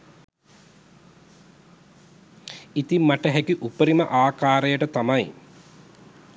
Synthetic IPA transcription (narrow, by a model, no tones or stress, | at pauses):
it̪imːaʈəɦɛkiʔupəɾiməʔaːkaːɾejəʈət̪amɐj